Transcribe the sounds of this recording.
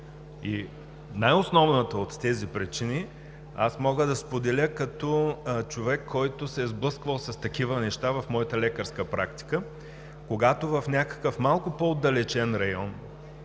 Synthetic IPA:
i | najosnɔvnət̪əot̪ːɛzipɾit͡ʃini | a̰smɔɡəd̪ɐspod̪ɛlʲəkɐt̪ɔt͡ʃovɛkʰːɔjt̪ʊsɛzblˠɤskvəlˠsɐst̪ɐk̟ivənɛʃt̪avɐfmɔjət̪əlɛkəɾskəpɾa̰kt̪i̥kə | koɡat̪ovɐfnʲakə̥kəfmalˠkʊpoːd̪ɐlɛt͡ʃɛnɾɐjɔn

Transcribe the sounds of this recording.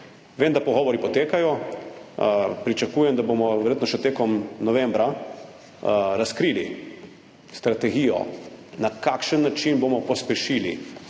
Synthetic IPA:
ʋeːmd̪apɔɣɔʋɔɾipɔt̪eːkajɔ | pɾit͡ʃakuːjɛmd̪aboːmɔʋɛɾjeːt̪nɔʃɛt̪eːkɔmnɔʋɛmbɾa | ɾaskɾiːli | st̪ɾat̪ɛɡiːjɔ̰nakakʃənːat͡ʃinboːmɔpɔspɛʃilḭ

